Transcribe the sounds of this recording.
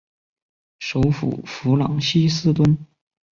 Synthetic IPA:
ʂo˧˥ʊfṵ˨˩fu˧˥lɑ̰˨˥ŋɕi˥sɹ̩˥˧t̪wə˥n

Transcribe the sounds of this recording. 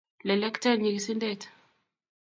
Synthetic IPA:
lɛ˨lɛ˦kta˦ɲi˨ɡisi˦ndɛtḁ

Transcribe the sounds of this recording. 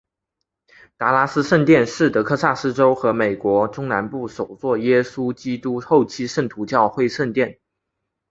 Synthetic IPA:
t̪a˧˥la˥s̩˥ʂə˥˧nt̪jɛ˥˧nʂɻ̩˥˩t̪ɤ˧˥kʰɤ˥˧sa˥˩sɹ̩˥ʈ͡ʂo˥ʊxɤ˧˥me˨˩ɪkwɔ˧˥ʈ͡ʂʊ˥ŋna˧˥npu˥˩ʂo˨˩ʊt͡swɔ˥˩jɛ˥su˥t͡ɕi˥t̪u˥xo˥˩ʊt͡ɕʰi˥ʂə˥˩nt̪ʰu˧˥t͡ɕjɑ˥˧ʊxwe˥˧ɪʂə˥˧nt̪jɛ˥˩n

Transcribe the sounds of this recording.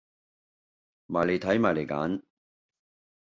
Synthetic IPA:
maː˨˩jle˨˧jt̪ʰɐ˨˥jmaː˨jle˨˩jka̰ː˨˥n

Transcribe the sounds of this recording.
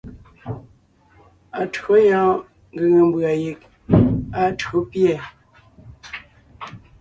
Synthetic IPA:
a˨tɰo˦jãː˦ | ŋɡə˨ŋə˨m˦bɰa˨je˨k̚ | a˨tɰo˦pjɛ˦˨

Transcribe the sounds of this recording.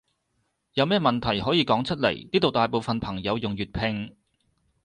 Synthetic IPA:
jɐ˨˧wmɛː˥mɐ˨˩nt̪ʰɐ˨˩jɦɔː˨˥jiː˨˧kɔː˨˥ŋt͡ʃʰɵ˥t̚lḛ˨˩jniː˥t̪o˨wt̪aː˨jpo˨wfɐ˨npʰɐ˨˩ŋjɐ˨˧wjʊ˨ŋjyː˨t̚pʰɪ˧ŋ

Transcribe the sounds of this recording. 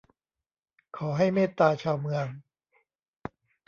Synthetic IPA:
kʰɔː˩˦ɦa˥˩jmeː˥˩t̪aː˧t͡ɕʰaː˧wmɯ˧əŋ

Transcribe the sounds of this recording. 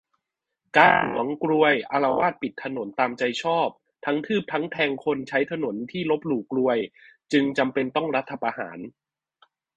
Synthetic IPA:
kaː˧nhṵ˨˩˦əŋkɾu˧əjʔa˧ɾa˧waː˥˩t̪̚pi˨˩t̪ʰːa˧no˩˦nt̪aː˧mt͡ɕa˧jt͡ɕʰɔː˥˩p̚ | t̪ʰa˦˥ŋt̪ʰɯː˥˩p̚t̪ʰa˦˥ŋt̪ʰɛː˧ŋkʰo˧nt͡ɕʰa˦˥jt̪ʰa˧no˩˦nt̪ʰiː˥˩lo˦˥p̚luː˨˩k̚ːɾu˧əjt͡ɕɯ˧ŋt͡ɕa˧mpe˧nt̪ɔ˥˩ŋɾa˦˥t̪ʰːa˧pa˧ha̰ː˩˦n

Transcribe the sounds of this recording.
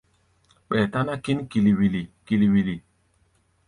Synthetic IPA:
k͡pɛ˨ta˦na˦ki˦n˦ki˨li˨wi˨li˨ki˨li˨wi˨li˨

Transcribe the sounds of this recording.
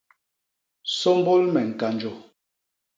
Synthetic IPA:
sɔ˦m˦bo˦lmɛ˨ŋ̩˨ka˨nd͡ʒo˨

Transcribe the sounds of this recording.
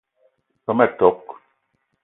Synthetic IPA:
pə˨˦mɛ˦˨tɔ˨˦k

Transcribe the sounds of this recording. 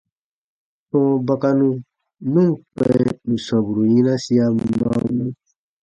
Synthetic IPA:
tɔ̃˦ba˦ka˧nũ˦ | nũ˦k͡pɛ˦nũ˨sɔ̃˨bu˨ɾu˨jĩ˦nã˦si˦a˦ma̰˦u˦mã˦

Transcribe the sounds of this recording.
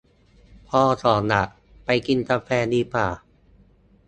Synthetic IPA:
pʰɔː˧˩sɔː˩˦nːa˨˩ʔ | pa˧jki˧nkaː˧fɛː˧niː˧˩paː˨˩

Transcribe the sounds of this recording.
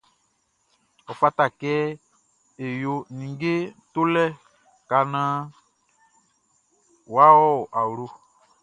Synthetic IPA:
ɔ˨fa˦ta˨kɛ˦ | e˨jo˨nĩ˨ŋ˦ɡe˦to˦lɛ˦ | ka˨nã˦ | wa˦wɔ˦˨a˨wɾo˦

